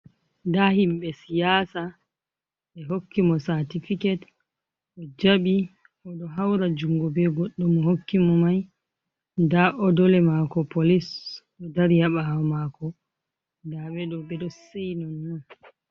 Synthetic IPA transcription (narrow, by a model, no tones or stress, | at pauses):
dahimɓɛsijaːsa | ɓɛɦokːimɔsaɾtifikɛt | ʔɔd͡ʒaɓi | ʔɔɗɔɦawɾad͡ʒuŋɡɔbɛɡɔɗːɔmɔhokːimɔmaj | ndaʔɔdɔlɛmakɔpolisɗɔdaɾjaɓamakɔ | daɓɛɗɔbɛɗɔsejnɔnwɔn